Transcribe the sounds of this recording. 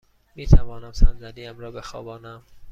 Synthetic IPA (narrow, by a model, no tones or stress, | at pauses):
miːt̪ʰævɒːnæmsænzæd̪iːæmɾɒːbexɒ̰ːbɒːnæm